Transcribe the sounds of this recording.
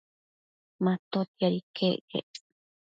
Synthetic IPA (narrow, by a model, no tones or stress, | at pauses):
mãt̪ot̪iaɾikʰeʔḛ